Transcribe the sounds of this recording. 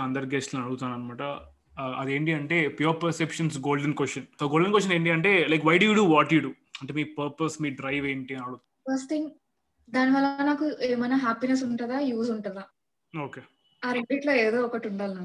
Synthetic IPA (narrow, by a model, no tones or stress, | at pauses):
ɐnd̪ɐɾɡesʈlɐnɐɽuɡut̪uaːnɐnmaːʈɐ | ɐd̪e̞ːɳʈiɐɳʈe̞ːpjoːɾpɐɾsepʂɐnsɡo̞ːlɖɐnkʋesʈɐnsoɡoːlɖenkʋosjɐne̞ːɳʈiɐɳʈe̞ːlɐjkʋɐjɖujuːɖuːʋaːʈjuɖuː | ɐɳʈeːmiːpɐɾpɐsmiːɖɾɐjʋe̞ːɳʈiɐnɐɽuut̪ː | fɐɾsʈt̪ʰiŋɡ | d̪aːniʋɐlːɐnaːkueːmɐjnɐɦaːpines̬uɳʈːd̪aːjuːsuɳʈud̪aː | oːkeː | aːɾeɳbiːʈlo̞ːeːd̪o̞ːɔkɐʈuɳɖaːlnaːu